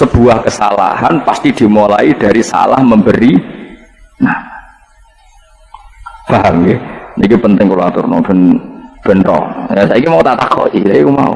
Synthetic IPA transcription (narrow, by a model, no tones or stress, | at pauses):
səb̥ṳahkəsala̰hanpast̪id̪̥i̤molaid̥a̤ɾisa̰la̰hməmbəɾi | na | b̥aɦamkenikipənt̪ɪŋkuluat̪ʊ̰rnɔ̰b̥ənb̥ə̤nrɔ̰jasaikimaut̪aʔt̪akɔ̰isakikuma̰ṵ